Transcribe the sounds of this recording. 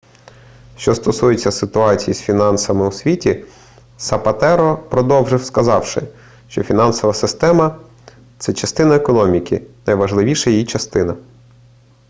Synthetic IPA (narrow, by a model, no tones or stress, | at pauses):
ʃt͡ʃɔst̪ɔsujet͡sʲːɐsɪt̪ʊɑt͡sʲijisfʲinɑnsɐmɪusʲʋʲitʲi | sɐpɐt̪ɛɾɔpɾɔd̪ɔwʒɪwskɐzɑwʃɪ̰ | ʃt͡ʃɔfʲinɑnsɔʋɐsɪst̪ɛmɐ | t̪sɛt͡ʃɐst̪ɪnɐekɔnɔmʲikɪnɐjʋɐʒlˠɪʋʲiʃɐjijit͡ʃɐst̪ɪnɐ